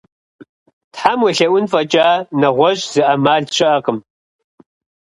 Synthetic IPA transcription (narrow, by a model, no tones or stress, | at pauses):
tħamwɐɬɐwʷʊnfɐt͡ʃʼaːnɐʁʷɔɕʼz̥ɨʔɐmaːɮɕɪʔɐqəm